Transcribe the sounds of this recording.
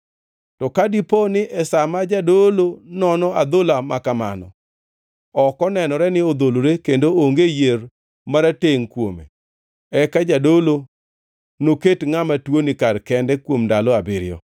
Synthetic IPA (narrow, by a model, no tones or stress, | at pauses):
tɔkadiponɪʔɛsamad͡ʒadolonɔnɔad̪olamakama̰nɔ̰ | ɔkɔnɛnɔɾɛnɪod̪oloɾekendooŋɡejer | maɾateŋkwomḛ | ɛkad͡ʒadolo | noketŋamatwonɪkarkɛndɛkwomdalɔabɪɾɪjɔ̰